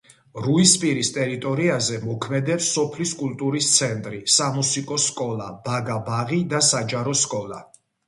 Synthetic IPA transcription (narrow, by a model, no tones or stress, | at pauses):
ɾuispʼiɾist̪ʼɛɾit̪ʼɔɾiazɛmɔkʰmɛd̪ɛpsːɔpʰliskʼult̪ʼuɾist̪sʰɛnt̪ʼɾisamusikʼɔskʼɔlˠab̥aɡabaʁid̪asad͡ʒaɾɔskʼɔlˠa̰